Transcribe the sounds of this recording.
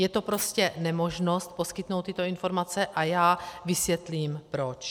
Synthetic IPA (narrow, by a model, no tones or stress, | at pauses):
jɛt̪opɾo̞scɛnɛmo̞ʒno̞st̪̚po̞skɪt̪nowt̪ːɪt̪o̞ɪnfo̞ɾmat͡sɛʔajaːvɪsjɛt̪liːmpɾot͡ʃ